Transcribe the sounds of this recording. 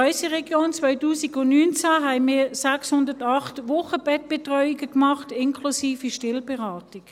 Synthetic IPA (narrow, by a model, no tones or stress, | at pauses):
ɔʏsəʁɛɡjoːnt͡svœʏtuːsiɡʊnnyːnt͡saɦɛɪmɪːɐsɛkshʊndətɑχtʋʊχəb̥ɛt̚b̥ɛtʁœʏiɡəkmɑχtɪnkʰlusiːfiʃtɪlbɛʁaːtɪk